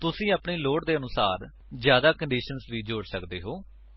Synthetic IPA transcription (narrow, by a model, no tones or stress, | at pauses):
t̪ʊsĩːəpɳiːloːʈd̪eːənʊsaːɾ | d͡ʒjaːd̪aːkəɳɖiːʃənsʋiːd͡ʒoːɽsəkd̪eːɦoː